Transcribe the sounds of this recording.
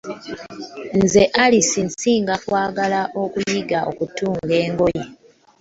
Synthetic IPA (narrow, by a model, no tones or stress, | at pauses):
nze̞ʔalisinsiːŋɡakwaːɡalaʔo̞kujiɡao̰kutuːŋɡe̞ːŋɡo̞je